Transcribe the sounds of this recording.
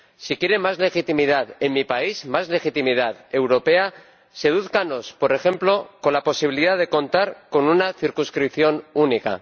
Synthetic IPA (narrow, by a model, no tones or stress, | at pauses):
sikje̞ɾe̞mazle̞xit̪imið̞aðe̞mmipaizmazle̞xit̪imið̞aðe̞wɾo̞pe̞a | se̞ðuθkano̞spo̞ɾe̞xe̞mplo̞ko̞nlapo̞siβ̞iliðaðe̞ko̞nt̪aɾko̞nunaθiɾkũnskɾipθjo̞nunika̰